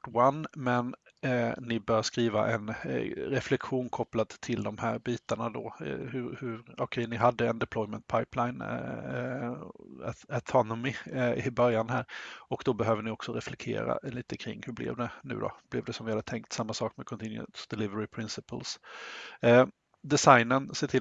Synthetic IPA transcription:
wanːmɛnː | ɪbœːɾskɾiːva̰ʔɛnɾɛflɛkɧuːnkʰɔplad̪t̪ʰɪld̪ɔmhæːɾbiːt̪aɳad̪ɔ̰hɵɾhɵɾɔkʰɛjnɪɦad̪ːəɛnd̪ɛpʰlɔjmɛnt̪̚pʰajplaɪn | at̪ʰɔnɔmɪɪbœɾjanɦæːɾɔkd̪ɔbɛɦøːvənɪɔksɔɾɛflɛk̚t̪ʰḛːɾa̰liːt̪əkʰɾɪ̰ŋːhɵblɛ̰vd̪ɛnʉ̟̰ːd̪ɔ̰b̥lɛvd̪ɛsɔmvɪhad̪ət̪ʰɛŋk̚t̪samːasɑːk̚mɛkʰɔnt̪ʰɪnjə̰nsd̪ɛlɪvəɾɪpʰɾɪnsɪpəls | d̪ɛsajnənseːʈʰɪ

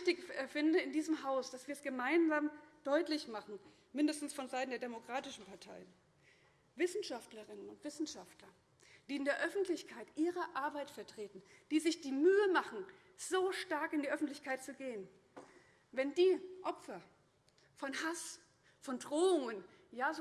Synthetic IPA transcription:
çtɪçɛfɪndəɪndiːzəmɦaʊsd̥asv̥iːɐsɡ̥əmaɪnzaːmd̥ɔʏtlɪçmaχn̩ | mɪndəstn̩sfɔnzaɪtn̩deːɐdemokʁ̥aːtɪʃn̩pʰaɐtʰaɪən | vɪsn̩ʃaftləʁɪnənʊntv̥ɪsn̩ʃaftlɐ | d̥iːɪndeːɐʔœfn̩tlɪçkʰaɪtʔiːʁəʔaɐbaɪtfɛɐtʁ̥eːtn̩d̥iːzɪçd̥iːmyːəmaχn̩ | z̥oːʃtaɐkɪndiːʔœfn̩tlɪçkʰaɪt̚t͡suɡeːən | vɛndiːʔɔpfɐ | fɔnhas | fɔndʁoːʊŋən | jaːz

